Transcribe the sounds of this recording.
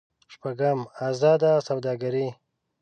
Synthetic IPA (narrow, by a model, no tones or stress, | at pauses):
ʃpaɡəmazɑːd̪asawd̪ɑːɡaɾi